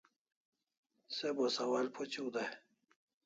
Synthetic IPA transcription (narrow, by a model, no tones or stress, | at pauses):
sebosawalpʰot͡ɕiwd̪aj